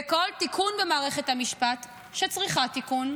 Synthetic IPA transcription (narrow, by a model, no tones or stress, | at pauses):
eko̞lt̪ikʰunvemaːʁeχe̞thamiʃpat̪ | ʃet͡sʁiχat̪ikun